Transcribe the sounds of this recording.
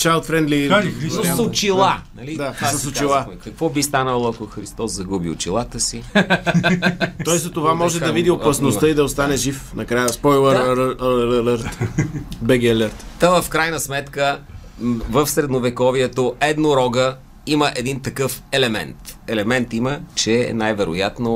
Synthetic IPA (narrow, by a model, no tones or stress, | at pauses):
t͡ʃalˠt̪fɾɛnd̪lisɐot͡ʃilˠanɐlid̪at̪asɐsot͡ʃilˠamɛkɐkvɔbist̪anəlˠoɐkoxɾist̪ɔszɐɡubio̰t͡ʃilˠat̪əsi | ɔɛsɐt̪ovamɔʒɛd̪ɐvid̪iopɐsnost̪əid̪ɐost̪anɛʒifnɐkɾajəspɔjlˠəllələɾt̪bɛɡʲɛlʲəɾt̪t̪əvəfkɾajnəsmɛt̪kə | vəfsɾɛd̪novɛkɔviɛt̪oɛd̪noɾɔɡə | iməʔɛd̪int̪ɐkɤfɛlɛmɛ̰nt̪ɛlɛmɛnt̪imət͡ʃɛ̰najvɛɾo̰jat̪no